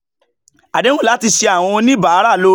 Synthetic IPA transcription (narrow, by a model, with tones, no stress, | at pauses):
a˨de˨˦wũ˦˨la˨˦ti˧ʃe˧a˨w̃ɔ̃˧nĩ˦ba˨˦ɾa˦˨lo˦